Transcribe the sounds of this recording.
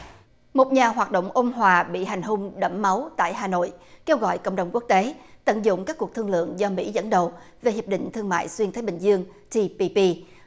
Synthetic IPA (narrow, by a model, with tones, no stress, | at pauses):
mo˨˩t̚ɲaː˨˩ɦwaː˨˩t̚ɗo̰˧˨wŋ͡mʔo˧mɦwaː˨˩ɓḭ˧˨ɦa˨˩jŋ̟ɦʊ˧ŋ͡mɗə˧˩mːa˨˦wt̪a̰ː˧˨jɦaː˨˩no̰˧˨jke˧wɣɔ̰˧˨jkə̰˧˨ŋ͡mɗə˨˩wŋ͡mku˦˥ək̚t̪e˨˦t̪ə̰˧˨nzʊ̰˧˨ŋ͡mkaː˦˥kːu˨˩ək̚t̪ɨ˧əŋlɨ̰˧˨əŋzɔ˧mḭ˧˥zə̰˧˥nɗə˨˩w | ve˨˩hi˨˩əp̚ɗḭ˧˨ŋ̟t̪ʰɨ˧əŋma̰ː˧˨jswi˧ənt̪ʰaː˨˦jɓï˨˩ŋ̟zɨ˧əŋ | t͡ɕ̪i˧pi˧pi˧